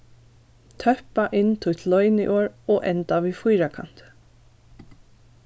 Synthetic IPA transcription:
t̪ʰœhpaʔɪnt̪ʰʊjt̪ʰlɔʏnḭʔoːɹɔʔɛnt̪aʋiːfujɾakʰa̰n̥t̪

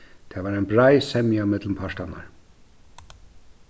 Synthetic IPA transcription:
t̪ʰɛːvaːɾɛɪnbɾajsɛmjamɛt̪ləmpʰaʂtana̰ɾ

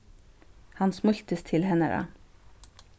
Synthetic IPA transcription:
hɑnsmʊçt̪əst̪ʰɪlhɛnə̰ɾɑ̰

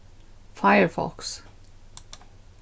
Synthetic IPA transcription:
faɪəɹfɔ̰ks

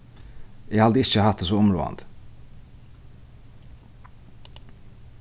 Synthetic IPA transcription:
jeːhɑd̪əɪçəhɑt̪̚esoːʊmɾo̰ːɑ̰nd̪

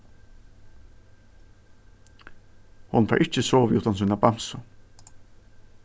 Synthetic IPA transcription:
hʊnfa̰ɹʔɪht͡ɕɪsoːvɪʔuht̪ans̬uːnabam̥sʊ

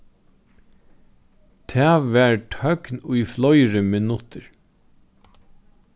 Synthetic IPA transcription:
t̪ʰæːʋʋæːɹʈʰœknujflɔjɹəmɪnʊt̪ʰəɹ

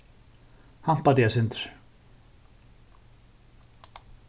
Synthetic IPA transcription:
ham̥pat̪jasɪnt̪ʏɾ̥

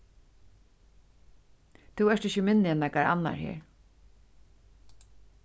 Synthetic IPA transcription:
t̪ʰuɛʂt̪ɪçəmɪnːɪɛnːɛkaɾa̰nːa̰ɹhɛ̰ːɹ

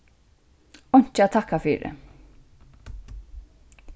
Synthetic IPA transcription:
ɔɲ̥t͡ʃɛt̪ʰahkːafiːɾɪ̰

